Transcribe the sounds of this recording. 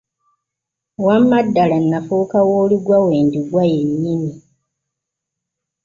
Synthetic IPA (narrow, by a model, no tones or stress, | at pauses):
wamːadːalanːafukawoːliɡwawe̞ːndiɡwajeɲːimi